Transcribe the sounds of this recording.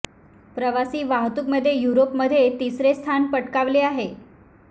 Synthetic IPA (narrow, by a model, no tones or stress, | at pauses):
pɾəʋasiːʋãɦt̪ukməd̪ʱːjejuɾopməd̪ʱːjet̪isɾest̪ʰanpəʈkaʋleaɦe